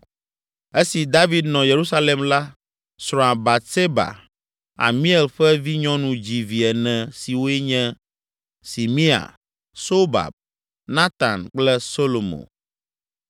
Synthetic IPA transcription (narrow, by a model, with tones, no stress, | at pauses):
e˦si˨d̪a˦vi˨d̪nɔ̃˨je˨ɾu˦sa˦le˨mla˦ | sɾɔ̃˨a˨ba˨se˦ba̰˨ | a̰˨mĩ˦e˨lɸɛ˦vi˦ɲɔ̃˦nũ˨d͡ʑi˨vi˨ɛ˨nɛ̃˨si˨wo˦ɛ˦ɲɛ̃˦ | si˨mĩ˦a̰˨ | so˦ba̰˨b̚ | nã˦t̪a˨nk͡plɛ˦so˦lo˨mo̰˨